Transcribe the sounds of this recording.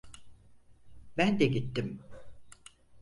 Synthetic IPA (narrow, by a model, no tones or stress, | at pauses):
bænd̪ɛɟit̪ːim